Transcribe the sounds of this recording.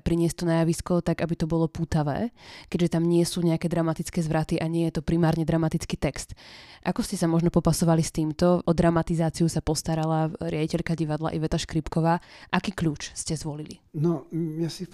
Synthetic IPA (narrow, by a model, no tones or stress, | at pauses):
pɾiɲɪɛst̪ɔnajaʋiskɔt̪aɡabit̪ɔbɔlɔpuːt̪aʋɛ̰ːkɛɟʒɛt̪amɲɪɛsuːɲɛakɛːd̪ɾamat̪it͡skɛːzʋɾat̪iʔaɲɪɛjɛt̪ɔpɾimaːɾɲɛd̪ɾamat̪it͡skiːt̪ɛkst̪ʔakɔscɛsamɔʒnɔpɔpasɔʋalist̪iːmt̪ɔʔɔd̪ɾamat̪izaːt͡siusapɔst̪aɾalaɾɪaɟicɛʎkaɟiʋad̪la̰ʔɛʋɛt̪aʃkɾipkɔʋaːʔakiːkʎuːt͡ʃscɛzʋɔlilḭnɔjasi